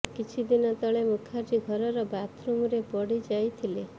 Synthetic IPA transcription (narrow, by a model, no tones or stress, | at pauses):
kit͡ʃʰid̪inɔt̪ɔɭemukʰaɾɾiɡʱɔɾɔɾɔbat̪ʰɾumuɾepɔɽid͡ʒajt̪ʰile